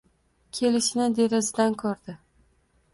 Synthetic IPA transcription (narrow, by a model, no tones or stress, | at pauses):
kʲʰe̞lɪʃɪnɪd̪e̞ɾazɪd̪ankʰɒɾd̪ɪ